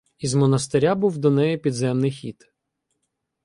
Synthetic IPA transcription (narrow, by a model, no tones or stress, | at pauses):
izmɔnɐst̪eɾʲabuwd̪ɔnɛjɛpʲid̪zɛmnɪjxʲḭt̪